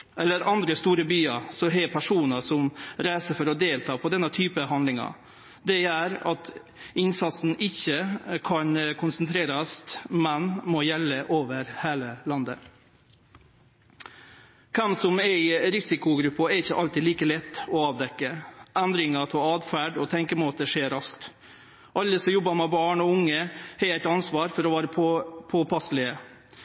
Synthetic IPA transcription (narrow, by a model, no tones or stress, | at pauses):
ʔɛlːəɾʔɑnd̪ɾəst̪uːɾəbyːɑsɔɦɛpʰæʂuːnɑsɔmɾæɪsəfɔɾɔd̪eːlt̪ʰɑːpʰɔd̪ɛnːɑt̪ʰyːpəɦɑnlɪŋɑ̰ | d̪ɛjæːɾɑ̰t̪ | ɪnsɑt̪sn̩ʔɪçːəkʰɑnkʰʊnsənt̪ʰɾeːɾɑsmɛnmoːjɛlːəʔoːʋəɾheːləlɑnd̪ə | kʰɛmsɔmæɪɾɪsɪkʊɡɾʉpːəɛɾɪçːəʔɑlt̪ɪːliːkəlɛt̪ːɔɑːʋd̪ɛkːəʔænd̪ɾɪŋɑt̪ʰɔɑːd̪fæɖɔt̪ʰɛŋkəmuːt̪əʂeːɾɑskt̪ | ʔɑləsɔjɔbɑmɛbɑːɳɔʊŋːəhɛɪæɪt̪ɑnsʋɑːɾfɔɾɔʋɑːɾəpʰɔpʰɔpʰɑslɪə